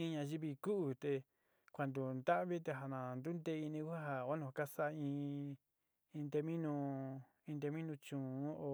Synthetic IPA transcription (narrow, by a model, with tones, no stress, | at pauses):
ĩ˧ɲã˧ʒi˦βi˧ku˦ʔu˨t̪e˧ | kʷa˨nd̪u˨nd̪a˦ʔβi˦t̪̬e˧ɦa˨nã˨nd̪u˦nd̪e˧˦i˧nĩ˧ku˦ha˦ɦa˨a˦nũ˧a˨˧ka˦sa˦˧ĩː˧ | ĩ˧d̪e˧mĩ˦nũ˧ | ĩ˧nd̪e˧mĩ˦nũ˧t͡ʃũ˨˦o˧